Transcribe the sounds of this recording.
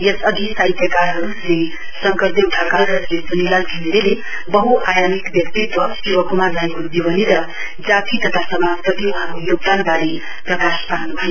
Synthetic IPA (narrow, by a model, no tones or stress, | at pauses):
jesʌd̪ʱisajt̪jʌkaɾɦʌɾule | sʌŋkʌɾd̪euʈʰakalrʌsled͡zunilalɡʱind̪ele | bʌɦuʔajamikbjʌkt̪it̪wʌsiwʌkumaɾlaekod̪iwʌniɾʌ | d͡zat̪ʰit̪ʌt̪ʰasʌmapʌt̪iuɦãkojoɡ̚d̪anbaɾe | prʌkaspaɦnubʱʌje